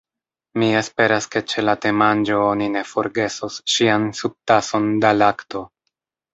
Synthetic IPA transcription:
mie̞spe̞ɾaske̞t͡ʃe̞late̞mand͡ʒo̞onine̞fo̞ɾɡe̞sosʃiansub̚taso̞ndalakto̞

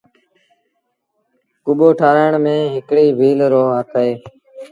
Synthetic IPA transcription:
kʊɓoːʈʰaːɾəɳmẽːɦɪkɽiːbʱiːlɾoːɦaːkʰəeː

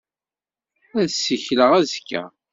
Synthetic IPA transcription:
æðsːiçləʁæzkːæ̰

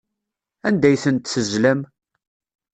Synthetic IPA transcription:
ænd̪æjθənt̪θəzlæm

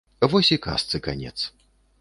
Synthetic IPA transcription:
vɔsʲika̰st̪sɨkanʲɛ̰t̪s

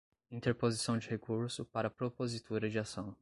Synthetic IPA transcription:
ĩnt̪eɾpozisɐ̃w̃d͡ʒɪhekuɾsʊpaɾɐpɾopozit̪ʰuɾɐd͡ʒɪasɐ̃w̃

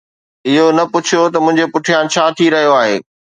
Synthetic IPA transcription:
ɪɦonɐpʊt͡ɕʰijot̪ɐmʊ̃ɦɪ̃ɲd͡ʑepʊʈʰijaːnt͡ɕʰaːt̪ʰiɾɐɦijoaːɦḛː

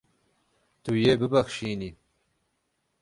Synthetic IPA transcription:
t̪ujebəbaxʃini

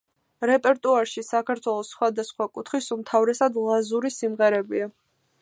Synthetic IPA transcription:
ɾɛpʼɛɾt̪ʼuaɾʃisakʰaɾt̪ʰwɛlˠɔsːχwad̪asχwakʼut̪ʰχisumt̪ʰavɾɛsad̪lˠazuɾisimʁɛɾɛbia

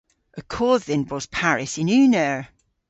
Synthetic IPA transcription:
əkʰɔːðɪ̃nbɔz̥pʰaɹɪsɪ̃nʉːnəɹ

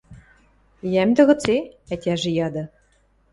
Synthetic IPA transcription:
jæmʲd̪ɘ̆ɣɤ̆t͡seæt̪ʲæʒɘ̆jɑd̪ɤ̆

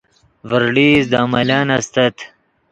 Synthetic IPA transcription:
vəɾɖiːzd̪aːmɐlaːnɐst̪ɐt̪ʰ

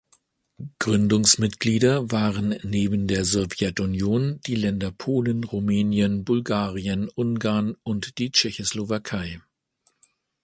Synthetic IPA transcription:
ɡ̥ʁʏndʊŋsmɪtɡ̥liːdɐvaːʁənːeːbn̩deːɐzɔvjɛtʊnjoːnd̥iːlɛndɐpʰoːlənʁumɛːnjənbʊlɡaːʁiənʔʊŋɡaɐnʊntd̥iːt͡ʃɛçoslovakʰaɪ

